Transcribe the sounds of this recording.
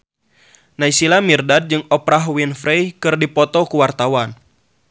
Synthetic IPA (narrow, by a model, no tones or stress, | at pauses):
naisilamirdad̚d͡ʒɨŋɔpɾaɦwinfɾejkɨrdipɔt̪ɔkuwart̪awan